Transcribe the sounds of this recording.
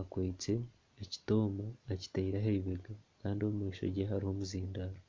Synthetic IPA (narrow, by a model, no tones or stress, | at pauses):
akweːt͡se̞ː | ci̥to̞ːmaːci̥taiɾaɦeiβeɡakaːndioumiːʃo̰ɾɟeɦaɾiho̞muziːndaɾo